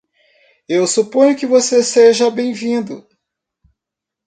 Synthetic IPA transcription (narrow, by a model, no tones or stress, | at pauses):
ewsupõɲʊkɪvoseseʒɐbẽj̃vĩnd̪ʊ